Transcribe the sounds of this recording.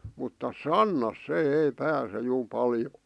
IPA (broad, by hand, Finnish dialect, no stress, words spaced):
mutːɑ sɑnːɑs se ei pæːse juː pɑljo